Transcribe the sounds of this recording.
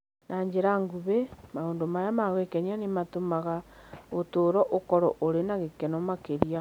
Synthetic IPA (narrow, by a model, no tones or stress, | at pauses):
nʔaɲd͡ʒeɾaŋɡuβemaoːndomajamaɣwekɛɲanematomaɣaotoːɾɔʔokɔɾɔʔoɾenaɣekɛnɔmakeɾia